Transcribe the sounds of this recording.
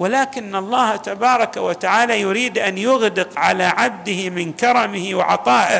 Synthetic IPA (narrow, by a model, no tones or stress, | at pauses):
wɪlaːkɪnːɑlˤːɑːht̪abɑːɾˤɑkawat̪aʕaːlajʊɾiːd̪ʔanjʊɣd̪ɪqʕalaʕab̚d̪ɪhɪmɪnkɑɾˤɑmɪhɪwɪ̰ʕɑ̰t̪ˤɑːʔɪ